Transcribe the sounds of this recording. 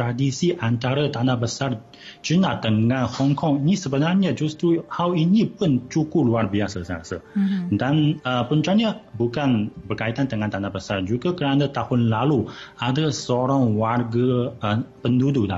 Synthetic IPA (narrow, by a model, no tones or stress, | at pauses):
t̪ɾadisiʔant̪aɾat̪anahbəsar | t͡ʃunat̪əŋãnhɔŋkɔŋinisəbənarɲəd͡ʒust̪uhawinĩpʊnt͡ʃukuluarbiasəsəasədanəpunt͡ʃaɲəbukanbərkait̪ant̪əŋãnt̪anabəsard͡ʒuɡakəɾanat̪ahʊnlaluadəsoɾaŋwarɡə | pəndudula̰